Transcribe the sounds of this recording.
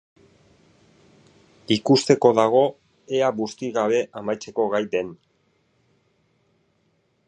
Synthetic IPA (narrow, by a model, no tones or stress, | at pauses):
ikust̪e̞ko̞ðaɣ̞o̞ | eaβust̪iɣaβ̞e̞ʔamajt͡se̞ko̞ɣajd̪e̞n